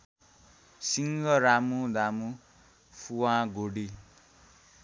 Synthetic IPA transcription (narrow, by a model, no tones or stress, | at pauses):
siŋɡʌɾamud̪amu | pʰuwãɡoɽi